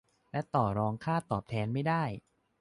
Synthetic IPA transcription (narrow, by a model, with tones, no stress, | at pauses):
lɛ˦˥t̪ɔː˨˩ɾɔː˧ŋkʰaː˥˩t̪ɔː˨˩p̚t̪ʰɛː˧nma˥˩jdaː˥˩j